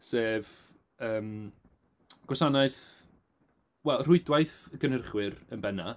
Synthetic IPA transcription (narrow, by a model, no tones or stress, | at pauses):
seːv | əːm | ɡ̥wɔsanaɨθ | wɛlˠr̥ʊɨdwajθɡənərχwɪɾənbɛna